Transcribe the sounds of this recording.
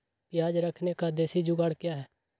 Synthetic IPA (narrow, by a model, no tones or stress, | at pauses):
pɪjaːd͡ʒɾəkʰneːkaːd̪eːsiːd͡ʒuːɡəɽkjaːɦɛː